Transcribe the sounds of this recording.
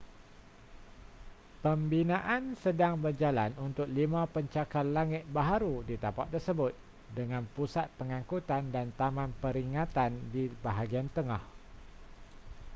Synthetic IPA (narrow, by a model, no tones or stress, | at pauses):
pəmbinãʔansədaŋbərd͡ʒalanunt̪ʊk̚limãpəɲt͡ʃakanlaŋɪt̪̚baɦaɾudit̪apa̰ʔ̚t̪ːərsəbʊt̪̚ | dəŋãnpusat̪̚pəŋãŋkut̪andant̪amãnpəɾiŋãt̪andibaɦaɡiant̪əŋah